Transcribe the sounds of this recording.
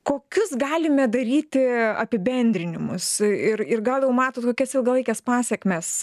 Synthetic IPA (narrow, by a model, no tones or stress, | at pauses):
koːkʲʊsɡɑːlʲɪmʲɛd̪ɐɾʲiːt̪ʲɪɐ̰pʲɪbʲɛnʲd̪ʲɾʲɪnʲɪmʊsɪrɪrɡɐlˠjɛʊmɑːt̪oːt̪koːkʲɛsɪlˠɡɐlˠɐɪkʲɛspɑːsʲɛkmʲɛs